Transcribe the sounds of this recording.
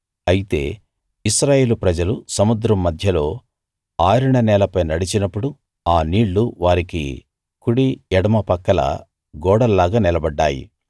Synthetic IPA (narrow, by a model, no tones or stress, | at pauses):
ɐjit̪e̞̰ː | isɾaːje̞ːlupɾɐd͡ʒɐlusɐmud̪ɾɐmːɐd̪ʱjɐlo̞ː | aːɾuɳɐnɛːlɐpɐjnɐɽit͡ʃinɐpːuɽu | aːniːɭːuʋaːɾikḭ | kuɽiɛɽɐmɐpɐkːɐlɐ̰ | ɡɔːɽɐlːaːɡaːnilɐbɐɖːaːjḭ